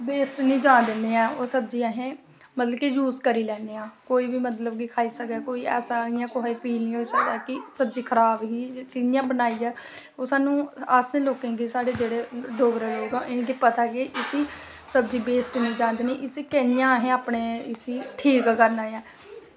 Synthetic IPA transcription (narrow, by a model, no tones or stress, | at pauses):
beːsʈnĩːd͡ʒãːnd̪ɪneːãːoːsəb̚d͡ʒiːəɦẽː | mət̪ləbkeːjuːzkəɾiːlɛːneːãːkoːiːbiːmət̪ləbɡiːkʰaːiːsəkd̪ɛːkoːiːɛ̰ːsaːiːãːkʊɦaːiːpiːlĩɦoːiːsəkd̪ɛːkɪsəbd͡ʒiːkʰəɾaːbɦiːkɪnɪjãːbənaːiːɛːoːsaːnũːaːsẽːloːkẽːɡisaːɽeːd͡ʒeːɽeːɖoːɡɾeːloːɡɛ̃ʔɪnːkiːpət̪aːkiʔɪsiː | səbd͡ʒiːbeːsʈnĩːd͡ʒãːnd̪ɪniːʔɪsiːkɛnɪjãːɦẽːaːpɳeːɪsiːʈʰiːkkəɾnaːjɛː